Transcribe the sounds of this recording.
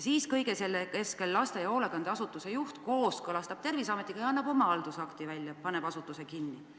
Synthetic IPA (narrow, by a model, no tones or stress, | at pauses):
siːskɤjɡe̞selːeke̞ske̞lːɑst̪ejɑo̞ːlekɑnd̪eɑsut̪ˑːuse̞juht̪ko̞ːskɤlɑst̪ɑb̥t̪e̞rvisɑmet̪ːˑiɡɑjɑɑnːɑbo̞mɑɑld̪̥usɑkt̪ivælʲjɑpɑneb̥ɑsut̪ːˑuse̞kinːi